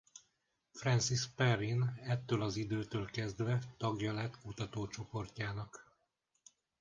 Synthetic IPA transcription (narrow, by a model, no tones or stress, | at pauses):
frɛnsispɛrinɛt̪ːøːlɒzid̪øːt̪øːlkɛzd̪vɛt̪ɒɡjɒlɛt̪kut̪ɒt̪oːt͡ʃo̞po̞rcaːnɒk